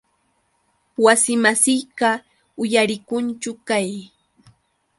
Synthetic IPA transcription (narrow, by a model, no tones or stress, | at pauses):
wasɪmasɪjɢɑ | ʊjaɾɪkʊnt͡ʃʊkaj